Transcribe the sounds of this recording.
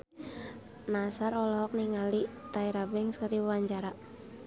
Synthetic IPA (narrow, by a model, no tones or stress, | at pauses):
nasaɾɔlɔɦɔk̚niŋalit̪aiɾabɛŋsəɾiwwaɲd͡ʒaɾaʔ